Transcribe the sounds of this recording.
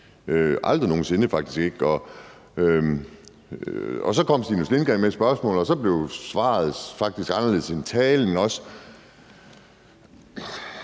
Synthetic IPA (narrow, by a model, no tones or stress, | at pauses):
øʔɑ̈ld̥ʁino̝ːn̩se̝nəfɑ̈ɡ̥d̥isɡ̥e̝ɡ̥ɒ̽ | ø | ɒsɒ̽kʰɒ̽m̰sd̥inuslenɡ̥ɛmesb̥ɶɐsmɔ̰̽ːl̩ˠɒsɒ̽b̥le̝ʊsʋɑ̰̈ːð̩ˠfɑ̈ɡ̥̚d̥isɡ̥ɑ̈nɐle̝ð̩ˠsent͡sʰɛːln̩ɒ̽sə̥